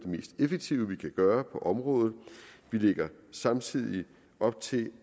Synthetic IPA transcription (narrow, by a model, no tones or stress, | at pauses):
d̥eme̝̰ːsd̥efeɡ̥̚t͡sʰiʊəʋikʰæɡ̥ɶːɐpʰɒ̽ʔɒ̽mʁɔ̽ːðˠð̞̩ˠʋile̝ɡ̥ɐsɑ̈mt͡sʰið̞̰ˠi | ɒ̽b̥̚t͡sʰe̝